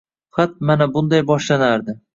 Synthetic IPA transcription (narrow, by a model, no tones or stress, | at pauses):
qʰɑt̪̚manabʊnd̪ajbɒʃlanaɾd̪ɪ